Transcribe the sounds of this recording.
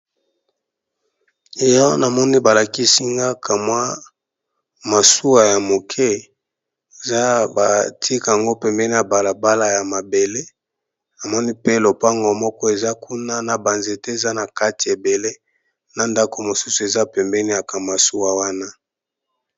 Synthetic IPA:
e˨jɔ˦na˨mɔ˦ni˦ba˨la˨ki˦si˦ŋɡa˦kʰa˨mwa˦ | ma˨su˦wa˨ja˨mo˨kʰɛ˦ | e˨za˦ba˨tʰi˦ka˨a˨ŋɡo˦pɛ˨mbɛ˦ni˦ja˨ba˨la˨ba˦la˨ja˨ma˨be˨le˦ | na˨mɔ˦ni˦pe˦lo˨pa˦ŋɡɔ˨mɔ˦kɔ˦e˨za˦kʰu˦na˦na˨ba˨nze˨te˦e˨za˦na˨ka˦ti˨e˨be˨le˦ | na˨nda˦ko˨mo˨su˦su˨e˨za˦pɛ˨mbɛ˦ni˦ja˨ka˨ma˨su˦wa˨wa˦na˦

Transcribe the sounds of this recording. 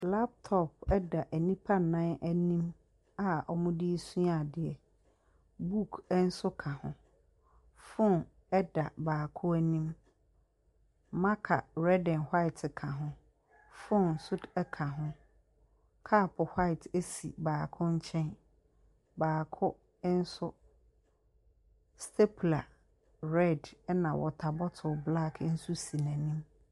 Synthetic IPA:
la˦p̚tʰɔ˦p̚ɛ˦da˨ʔæ˨nĩ˦pʰa˦nã˦nʔæ˦nĩ˦m | a˨ɔ˨mʊ̃˦di˦e˦sũ˦a˨dɪ˨ɛ˨ | bu˦kʰɛ˦n̩˦sʊ˦kʰã˨hʊ̰̃˨˦ | fʊ̃˦n | ɛ˦da˨baː˨kʰʊ˦æ˦nĩ˦m | mã˦kʰa̰˨ɾɛ˦dɛ̃˨nhwa˦ɪ˨tʰɪ˨kʰã˨ɦʊ̃˦ | fʊ̃˦n̩˨sʊ˦dɛ˦kʰã˨ɦʊ̃˦ | kʰa˦˨pʰʊ˨ha˦ɪ˨tʰe˦sḭ˨baː˨kʰʊ̃˦ɲ̩˦t͡ɕʰɛ̃˦n | baː˨kʰʊ˦ | n̩˦sʊ˦ | stʰe˦pʰla˨ | ɾɛ˦˨dɛ˦nã˨wɔ̰˨tʰa˨bɔ˦tʰʊ˨bla˦˨kʰn̩˦su˦si˨nã˨nĩ˦m

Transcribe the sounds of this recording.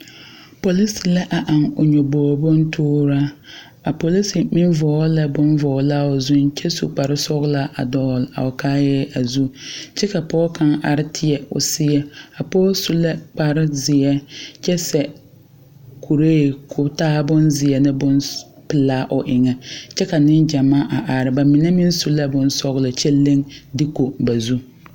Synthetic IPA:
po˨li˦si˨la˦ʔa˨ʔa˨ŋʊ˨ɲɔ˨bɔː˨bʊ˦ntʰʊː˦ɾa˦ | a˨po˨li˦si˨mɪ˦nvɔː˨˦lɛ˦bʊ˦nvɔː˨˦la˦ʊ˨zʊ˦nt͡ʃɛ˦sṵ˨k͡pa˨ɾɪ˦sɔ˦ɣla˦ʔa˨dɔː˨˦˨la̰˨ʊ˨kaː˦jɛ˦a˨zu˦t͡ʃɛ˦ka˨pɔː˦kʰa˦ŋa˨ɾɪ˦tʰɪ˦ɛ˨ʊ̰˨sɪ˦ɛ˦a˨pɔː˦su˦lɛ˦k͡pa˨ɾɪ˦zɪ˨ɛ˦t͡ʃɛ˦sɛ˨ | kʰu˨ɾe˦˨kʰʊ˨taː˦bʊ˦nzɪ˨ɛ˨nɪ˦bʊ˦n | pɪ˨laː˦ʔʊ˨ʔɪ˨ŋɛ˨t͡ʃɛ˦ka˨nɪ˦nd͡ʒa˨maː˦ʔa˨ʔa˨ɾɪ˨ba˨mi˨nɛ˦mɪ˦n˦su˦lɛ˦bʊ˦nsɔ˦ɣlɪ˨t͡ʃɛ˦le˦ŋdɪ˦ko˨ba˨zu˦

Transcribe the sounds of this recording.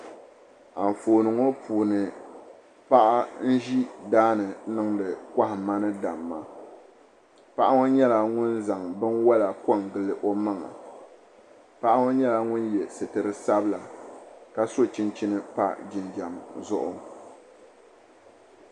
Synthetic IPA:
a˨m˨foː˨nɨ˨ŋo˦pʰuː˨nɨ˨ | pa˦ʔa˦n̩˦ʒi˦daː˦nɨ˨nɨ˦ŋdɨ˨kʷa˦hɪ˨ma˦nɨ˦da˨mːa̰˨ | pa˦ʔa˦ŋo˦ɲɛ˦la˨ŋʊ˦nza˨ŋbɨ˦nwa˦la˨ka˦ŋɡɨ˨lɨ˨ʔo˦ma˦ŋa̰˨ | pa˦ʔa˦ŋo˦ɲɛ˦la˨ŋʊ˦njɛ˨sɨ˨tɨ˨ɾɨ˦sa˦bɨ˦la˨ka˦so˦t͡ʃi˦nt͡ʃi˦nɨ˦pa̰˦d͡ʒɪ˨nd͡ʒa˨mzʊ˦ʔʊ̰˦

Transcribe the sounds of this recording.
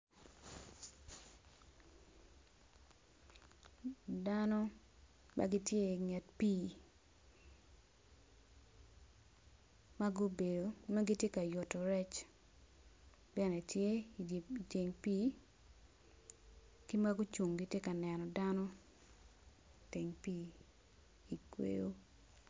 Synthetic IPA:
danɔ˦ | mʔa̰˦ɡi˦tje˦ŋɛ˨tpiː˦ | ma˦ɡu˦be˨do˨no˦ɡi˦tje˦ka˨jʊ˨tɔ˨ɾɛ˦t͡ʃ | bɛ˦nɛ˨tje˦ | te˨ŋpiː˦ | ki˦ma˦ɡu˦t͡ʃu˨ŋɡi˦tje˦ka˨nɛ˨nɔ˨danɔ˦ | te˨ŋpiː˦ | i˨kwḛ˦o˦

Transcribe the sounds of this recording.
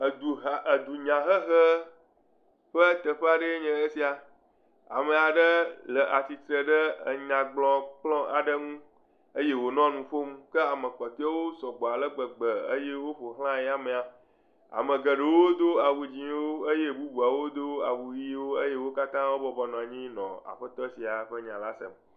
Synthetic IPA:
d̪u˨d̪u˨ɲã˨ɦə˦ɦə˦ | ɸə˦t̪ə˨ɸə˦a˨ɖə˦ɲɛ̃˨e˦si˦a˨ | a̰˨mə˨a˨ɖə˦lə˨ʔa˨si˨t̪ɾə˨ɖə˦ə˨ɲã˨ɡ͡blɔ̃˨k͡plɔ̃˦a˨ɖə˦ŋũ˦ | ə˦je˦wo˨nɔ̃˦nũ˨fo˦m˦kə˦a˨mə̃˨k͡pɔ˨t̪o˦a˦wo˦sɔ˨ɡ͡bɔ˨a˨lə˦ɡ͡bə˨ɡ͡bə˨ə˦je˦wo˦ɸo˨ɦl̃ã˦ji˦a˨mẽ˨a˨ | a̰˨mə̃˨ɡə˨ɖə˨wo˦d̪o˦a˨wu˨d͡ʑĩ˨˦wo˦ə˦je˦bu˦bu˨a˨wo˦d̪o˦a˨wu˨ji˦wo˦e˦je˦wo˦ka˦t̪ã˦wo˦bɔ˦bɔ˨nɔ̃˨a˨ɲĩ˦nɔ̰̃˨a̰˨ɸə˦t̪ɔ˦si˨a˨ɸə˦ɲã˨la˦sə̰˨m

